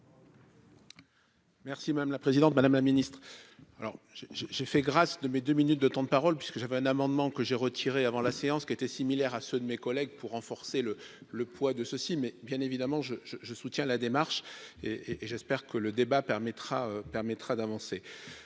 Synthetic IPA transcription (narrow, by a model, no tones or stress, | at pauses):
mɛʁsimad̪amlapχezid̪ɑ̃t̪̚mad̪amlaminist̪χalɔ̰ʁʒeʒeʒefɛɡʁasd̪əmed̪øminyt̪̚d̪ət̪ɑ̃d̪əpaʁɔlpɥi̥skəʒavɛɛ̃namɑ̃d̪mɑ̃kəʒeʁət̪ʰiʁeavɑ̃laseɑ̃skʲiet̪ɛsimilɛʁasød̪əmekɔlɛɡpuʁːɑ̃fɔʁselələpwad̪əsəsimɛbjɛ̃nevid̪amɑ̃ʒəʒəʒəsut̪jɛ̃lad̪emaʁʃeeʔːʒɛspɛʁkələd̪ebapɛʁmɛt̪χaøpɛʁmɛt̪χad̪avɑ̃se